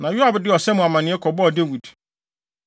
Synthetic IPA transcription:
nã˨jʊ˦a˨bdɪ˦ɔ˨sɛ˦mʊ̃˨a˨mã˨nɪ̃˦ɛ˦kʰɔ˨bɔ˦ɔ˨de˦wi˨d̥

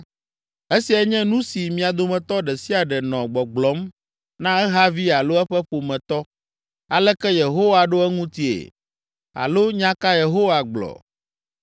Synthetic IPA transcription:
e˦si˨ɛ˦ɲɛ̃˦nũ˦si˨mĩ˨a˨d̪o˦˨mɛ̃˨t̪ɔ˦ɖɛ˨si˦a˨ɖɛ˨nɔ̃˨ɡ͡bɔ˨ɡ͡blɔ˨˦m | nã˦ɛ˦ɦa˦vi˦a˨lo˦ɛ˦ɸɛ˦ɸo˨mɛ̃˨t̪ɔ˦ | a˨lɛ˦kɛ˦je˨ɦo˦wa˨ɖo˦ɛ˦ŋũ˦t̪i˦ḛ˨ | a̰˨lo˦ɲã˦ka˦je˨ɦo˦wa˨ɡ͡blɔ̰˨

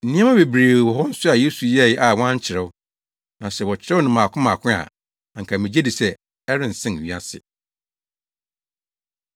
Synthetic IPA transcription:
n̩˨nĩ˦ã˦mã˦be˨bɾe˨wɔ˨ɦɔ˦n̩˦sʊ˦a˨jeː˦su˨jɛ˦˨jɪ˦ʔa˨wã˦ɲ̩˦t͡ɕʰɪ˨ɾɪ˦wʊ˦ | nã˨sɛ˨wɔ˨t͡ɕʰɪ˦ɾɛ˦ʊ˦nɪ̃˨mãː˨kʰʊ̃˦mã˨kʰʊ̃˦a̰˨ | a˨ŋ̩˨kʰa˨mɪ̃˨d͡ʑe˦di˨sɛ˦ | ɛ˦ɾɪ̃˦n̩˨sɪ̃˦n˨i˦a˦sɪ̰˨

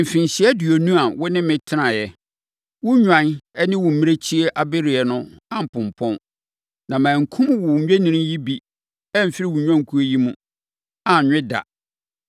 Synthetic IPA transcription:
m̩˨fĩ˨n˨ɕɪ˨˦ɛ˦dɥo˨nũ˦a˨wʊ˦nɪ̃˦mɪ̃˨tʰɪ˦nã˨jɛ˨ | wʊ˦ɲᶣã˨nɛ˦nɪ̃˦wʊ˨m̩˨mĩ˦e˦t͡ɕʰi˦e˦ʔa˨be˦ɾɪ˨ɛ˨nʊ̃˦ã˨m̩˨pʊ̃˨m˨pʰɔ̃˦n | nã˨mãː˨ŋ̩˨kʰũ˦mwʊ˨˦ɥᶣe˦nĩ˦nĩ˦ji˦bi˦ | ɛ˦m̩˨fi˦ɾi˦wʊ˨ɲᶣã˦ŋ̩˨kʰu˦e˦ji˦mũ˦ | a˨ɲᶣɪ̃˦da̰˨

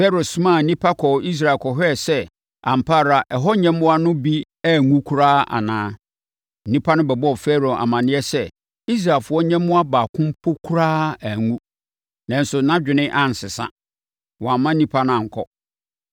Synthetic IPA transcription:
fɛ˦ɾo˨sũ˦mã˦˨˦nĩ˦pʰa˦kʰɔ˨i˦s̬ɾa˨kʰɔ˨ɦɛ˦˨sɛ˦ | ã˨m̩˨pʰa˦˨ɾa˨ʔɛ˨ɦɔ˦ɲɛ̃˦m˦ʊ̃˦a˦nʊ̃˦bi˦ | æ˦˨ŋũ˦kʰu˦ɾaː˦a̰˨nãː˨˦ | nĩ˦pʰa˦nʊ̃˦bɛ˨bɔ˦˨fɛ˦ɾo˨a̰˨mã˨nɪ̃˦ɛ˦sɛ˦ | i˦s̬ɾa˨lfʊ˨˦ɔ˦ɲɛ̃˦mʊ̃˦a˦baː˨kʰʊ̃˦m˦pʰʊ˦kʰu˦ɾaː˦æ˨ŋũ˦ | nã˨n˦sʊ˨nã˦d͡ʑᶣɪ˨nɪ̃˦ʔã˦n˨sɪ˨sã̰˦ | wɔ̃˨a˨mːã˦nĩ˦pʰa˦nʊ̃˦ã˨ŋ̩˨kʰɔ̰˦

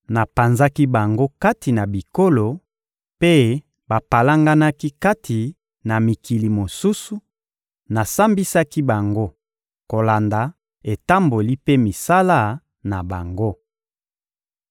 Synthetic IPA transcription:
na˨pa˨nza˦ki˦ba˨ŋɡo˦ka˦ti˨na˨bi˨ko˦lo˨ | pe˦ | ba˨pa˨la˦ŋɡa˦na˦ki˦ka˦tʰi˨ | na˨mi˨ki˨li˨mo˨su˦su˨ | na˨sa˦mbi˦sa˦ki˦ba˨ŋɡo˦ | ko˨la˨nda˨ | e˨ta˦mbo˨li˦pe˦mi˨sa˦la˦ | na˨ba˨ŋɡo˦

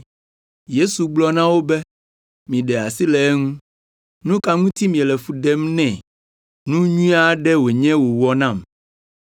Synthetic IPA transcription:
je˦su˨ɡ͡blɔ˦nã˦wo˦bɛ˦ | mĩ˨ɖɛ˨a˨si˦lɛ˨ɛ˦ŋũ˦ | nũ˦ka˦ŋũ˦t̪i˦mĩ˨ɛ˨lɛ˨fu˨ɖɛ˦mnɛ̃˨ | nũ˦ɲũ˦a˦ɖɛ˦wo˨ɲɛ̃˦wo˨wɔ˨nã˦˨m

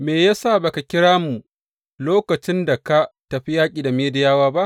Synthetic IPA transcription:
meː˨ja˦saː˦˨ba˨ka˨kʲɪ˦ɽaː˦mu˨ | loː˦kɐ˨t͡ʃɪ˦nda˨ka˦tɐ˨ɸi˦jaː˦kʲʼiː˨da˨meː˦dɪ˦jaː˦waː˦ba˦ʔ

